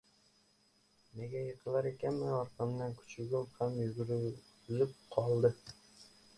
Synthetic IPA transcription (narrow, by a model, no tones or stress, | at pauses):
ne̞ɡʲajɨqʰɨlaɾe̞kʲʰanmɪɒɾqɨmd̪ankʰʊ̥t͡ʃʰɪɡʲʊmhamjʊɡʲɾ | zɪp̚qʰɒlˠd̪ɪ